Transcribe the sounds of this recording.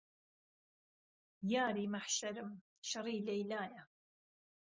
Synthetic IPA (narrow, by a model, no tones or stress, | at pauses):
jaːɾimaħʃaɾɪm | ʃɑɾiːlajlaːja